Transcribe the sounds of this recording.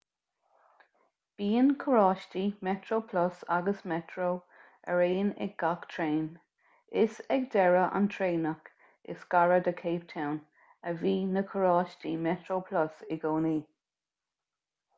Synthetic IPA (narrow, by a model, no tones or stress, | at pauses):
b̥iːənkʰəɹɑːʃtimɛtɹoːpʰlɔsaɡəsmɛtʰɹow | əɹeːnɛ̰ɡ̚ɡakt̪ʰɹeːn | ɪsɛɡ̚d̪ɛɹəʔa̰nt̪ʰɹeːnək | ɪ̰sɡaɹəd̪əkʰeːp̚tʰawn | əviːnəkʰəɹɑːʃtimɛtɹowpʰlɔsɪɡoːniː